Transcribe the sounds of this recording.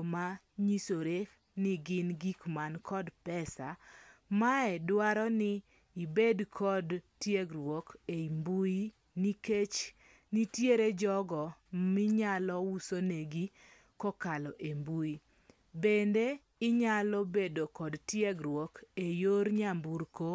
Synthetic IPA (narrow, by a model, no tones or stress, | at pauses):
oma | ɲisoɾe | nɪɡɪnɡikmankʰɔdpɛsamaɛdwaɾɔnɪː | bedkʰɔdtjeɡɾwokeimbuji | niket͡ʃ | nitjeɾed͡ʒɔɡɔmɪɲalɔwusoneɡi | kɔkalɔʔembuji | bende | ɪɲalɔbedokɔdtjeɡɾwokejoɾɲambuɾko